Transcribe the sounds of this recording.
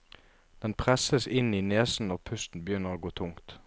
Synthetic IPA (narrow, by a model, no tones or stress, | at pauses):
d̪̥ɛnpʰʁɛsəsɪniːneːsn̩ɔːpʰʉst̪n̩bəjʏnːəʁoːɡoːt̪ʰʊŋt̪